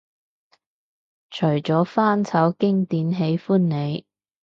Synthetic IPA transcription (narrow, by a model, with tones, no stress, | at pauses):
t͡ʃʰɵ˨˩ɥt͡sɔː˨˥faː˥nt͡sʰɐ˨˥wkɪ˥ŋt̪iː˨˥nɦe˨˥jfuː˥nːe˨˧j